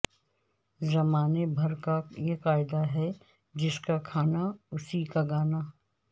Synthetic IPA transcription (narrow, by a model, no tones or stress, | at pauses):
zɐmaːnebʱɐɾkajekaːɪd̪aɦɛ | d͡ʒɪskakʰaːnaʊsikaɡaːna